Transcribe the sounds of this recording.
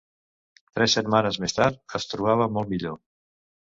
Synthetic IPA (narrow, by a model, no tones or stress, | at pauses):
t̪ɾɛsət̪manəzmest̪aɾt̪əst̪ɾuβaβ̞əmɔlˠt̪miʎo